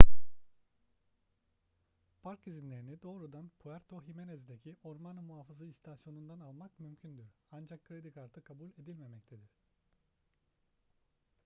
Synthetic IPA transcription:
pʰaɾkizinlʲe̞ɾinid̪o̞ːɾud̪anpʰuæɾt̪ʰo̞ɦimenezd̪ecʰiʔo̞ɾmanɯmuɦaːfazaist̪ʰasjo̞nund̪analˠmakmymcʰynd̪yɾand͡ʒakʰːɾed̪ikaɾt̪ʰɯkʰabulʲe̞d̪ilʲme̞mɛc̚t̪ʰed̪iɾ̝̥

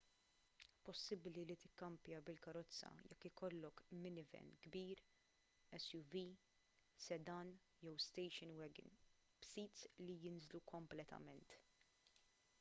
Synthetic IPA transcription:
pɔsːɪblilit̪ɪkːɐmpjɐbɪlkɐɾɔt͡sːɐ̰jɛkːɪkɔlːɔkmɪnɪvɛ̰nɡbiːɾ | ɛsjuviː | sɛd̪ɐn | jɔwst̪ɛjʃɪnwɛɡɪ̰n | bsiːt̪slijɪnzlukɔmplɛt̪ɐ̰mɛnt̪

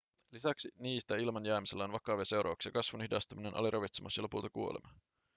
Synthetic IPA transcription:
lisæksiniːst̪æilmɑnjæːmiselːæonʋɑkɑʋese̞wɾʔɑ̰ːʋɑksjɑkɑsʋunhidɑst̪uminenʔɑ̰lirɑʋit̪semɑsːiɑlopult̪ɑkuo̞̰lemɑ

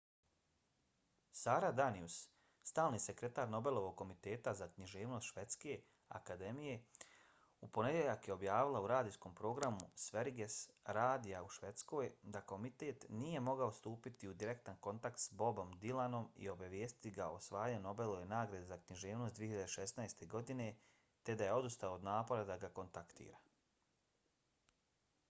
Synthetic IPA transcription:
saːɾad̪anius | st̪aːlˠniːse̞kɾe̞t̪aːɾno̞be̞lˠo̞ʋo̞ɡ̚kːo̞mit̪e̞ːt̪azakɲiʒe̞ːʋno̞st̪ʃʋe̞t̪ske̞ | a̰kad̪e̞mije̞ | upo̞ne̞d̪jeʎakjeo̞bjaːʋilˠauɾaːd̪ijsko̞mpɾo̞ːɡɾamusʋe̞ɾɡe̞sɾaːd̪ijauʃʋe̞t̪sko̞ːjd̪ako̞mit̪e̞ːt̪nije̞mo̞ɡaost̪uːpit̪iud̪iɾe̞kt̪anko̞nt̪akt̪sbo̞bo̞md̪ilˠano̞mḭo̞baʋjeːst̪i̥t̪iɡao̞sʋaːjano̞be̞lojenaːɡɾad̪zakniʒe̞ːʋnosd̪ieçiʎad̪eʃe̞snajst̪e̞ɡo̞d̪ine̞ | t̪e̞d̪aje̞o̞d̪ust̪aood̪naːpo̞ɾad̪aɡako̞nt̪akt̪ḭːɾa

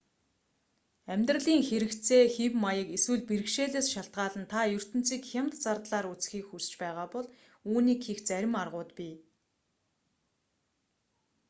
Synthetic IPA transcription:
æmʲt̪r̆ɮiːŋxeɾɘ̆kt͡sʰeːxiwmajə̆keswɘ̆ɮpiɾɘ̆kʃeːɮeːsʃaɬt̪̚ɢaːɮə̆nt̪ʰajɵr̥t̪ɘ̆n̥t͡siːkxʲamt̪t͡sart̪ɮaːɾut͡sxiːkxust͡ɕpæːʁaːpɔɮ | uːniːkxixt͡sæɾʲɪ̆marʁʊːt̪pʲi

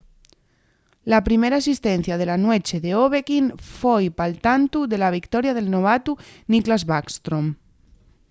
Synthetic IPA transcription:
lapɾimeɾaːsist̪enθjað̞elanwet͡ʃeðeoβekinfojpalt̪ant̪uðelaβ̞ikt̪ɔɾjaðelnoβat̪uniklazβakst̪ɾom

